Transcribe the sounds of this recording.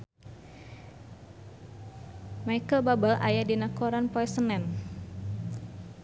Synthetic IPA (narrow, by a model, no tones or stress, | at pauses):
majkəlbabalʔa̰jadinakoɾanpɔɛsənɛn